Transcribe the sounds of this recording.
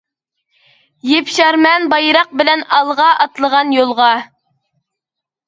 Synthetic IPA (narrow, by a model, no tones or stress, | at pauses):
jepʃɑɾmɛnbɑjɾɑq̚bɪlɛnɑlˠʁɑʔɑt̪lˠəʁɑnjolˠʁɑ